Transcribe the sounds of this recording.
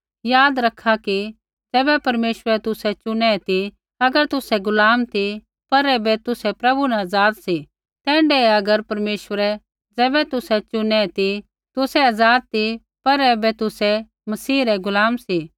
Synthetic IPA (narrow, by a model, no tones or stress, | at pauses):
jaːd̪ɾɐkʰaki | d͡zɛːbɛpɐɾmeːʃʋəɾɛt̪ʊsɛt͡ʃʊnɛt̪i | ɐɡəɾt̪ʊsɛɡʊlaːmt̪i | pɐɾɛːbɛt̪ʊsɛpɾɐbunɛɐzaːd̪si | t̪ɛ̃ːɳɖɛɐɡəɾpɐɾmeːʃəɾɛ | d͡zɛːbɛt̪ʊsɛt͡ʃʊnɛt̪i | t̪ʊsɛɐd͡zaːd̪̚t̪i | pɐɾɛːbɛt̪ʊsɛ | mɐsiːɾɛɡʊlaːmsi